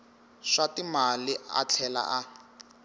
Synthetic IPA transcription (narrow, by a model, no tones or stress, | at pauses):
ʂatimaliʔa̰t͡ɬʰɛla̰ʔa